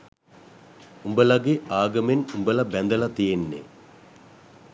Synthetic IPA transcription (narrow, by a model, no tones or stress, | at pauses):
umbəlɐɡeaːɡɐmenumbəlɐbænd̪əlɐt̪ijenːḛ